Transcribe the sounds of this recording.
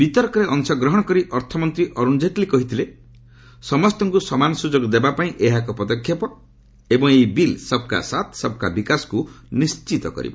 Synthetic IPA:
bit̪ɔɾkɔɾeʔɔŋsɔɡɾɔɦɔɽ̃ɔkɔɾiʔɔɾt̪ʰɔmɔnt̪ɾiʔɔɾuñd͡ʒet̪likɔɦit̪ʰile | sɔmɔst̪ɔŋkusɔmanɔsud͡ʒoɡd̪ebapaĩʔeɦakɔpɔd̪ɔkʰːjapɔ | ebɔŋejbilsɔb̚ka̰sat̪sɔb̚ka̰bikasɔ̥kunist͡ʃit̪ɔkɔ̰ɾḭbɔ̰

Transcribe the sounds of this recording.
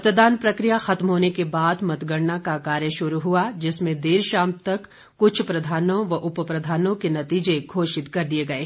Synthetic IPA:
ɐt̪d̪aːnpɾɐkɾijaxɐt̪mɦoːnekebaːd̪mɐt̪ɡəɽnakakaːɾjəʃʊɾuɦuad͡ʒɪsmẽd̪eːɾʃaːmt̪ɐkː | ʊt͡ʃʰpɾɐd̪ʱaːnõʋɐʔʊpəpɾɐd̪ʱaːnõkenɐt̪iːd͡ʒeɡʱoːʃɪt̪kɐɾd̪ieɡɐeː

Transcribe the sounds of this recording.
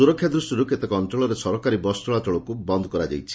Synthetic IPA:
uɾɔkʰːjad̪ɾusʈɔɾuket̪ekɔnʈɾɔɭɔɾesɔɾɔkaɾibɔstɔɭat͡ʃɔɭɔkubɔnd̪ɔkɔɾad͡ʒa̰jt͡ʃʰi̥

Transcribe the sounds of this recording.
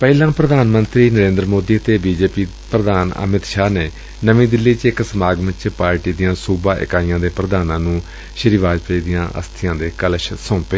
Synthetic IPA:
pɛːilãːpɾəd̪aːnmənt̪ɾiːnəɾẽːnd̪ɾəmoːd̪iːət̪eːbiːd͡ʒeːpiː | pɾəd̪aːnə̰mɪt̪ʃaːneː | nəʋĩːd̪ɪlːiːt͡ʃɪksəmaːɡʋɪ̃t͡ʃpaːɾʈiːd̪ɪjãːsuːbaːʔɪ̰kaːijãːd̪eːpɾəd̪aːnãːnũː | ʃɪɾiːʋaːd͡ʒpʰəiːd̪ɪjãːʔə̰st̪ʰɪjãːd̪eːkəlʃsɔ̃ːpeː

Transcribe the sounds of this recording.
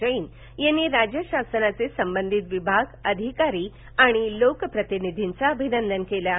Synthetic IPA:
əin | jenːiːɾad͡ʑjəɕasənat͡sesəmbənd̪ʱit̪ʋibʱaɡəd̪ʱikaɾiː | aɽ̃ilokəpɾət̪inid̪ʱint͡saəbʱinənd̪ənkelja

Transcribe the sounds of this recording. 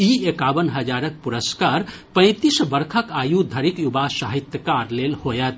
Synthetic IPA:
iekaːbənɦəd͡ʒaɾək̚puɾəskaɾpə̃ɪ̃t̪isbəɾkʰəkaːjud̪ʱəɾikjubasaɦit̪jəkaɾlelhojət̪

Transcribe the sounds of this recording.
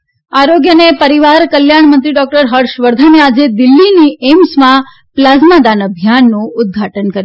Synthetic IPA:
aɾoɡjənepəɾiʋaɾkəljaɳmənt̪ɾiɖɔk̚ʈəɾɦəɾʃʋəɾd̪ʱanead͡ʒed̪ɪlːiniemsmã | plazmad̪anəbʱjanːũʊd̪̚ɡʱaʈənkəɾj

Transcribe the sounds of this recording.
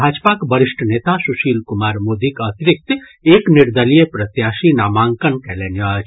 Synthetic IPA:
aːd͡ʒpakbəɾɪʃʈʰəneːt̪asuʃiːlkumaːɾmoːd̪ikɐt̪ɾɪk̚t̪ | eːknɪɾd̪əlijepɾɐt̪jaːʃinaːmãːŋkənkɛlenjat͡ʃ

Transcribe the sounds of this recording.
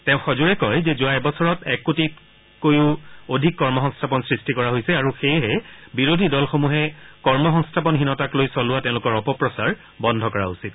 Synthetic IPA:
tɛʊ̃xɔzuɹɛkɔjzɛzʊajbɔsɔɹɔtɛkːotit | kojuodʱikːɔɹmɔxɔŋstʰapɔnsɹistikɔɹaɦojsɛaɹuxejɦɛbiɹodʱidɔlxomuɦɛkɔɹmɔxɔŋstʰap̬ɔnɦinɔtaklojsɔlʊwatɛ̃ʊ̃lʊkɔɹɔpɔpɹɔsaɹ | bɔndʱɔkɔɹa̰usit

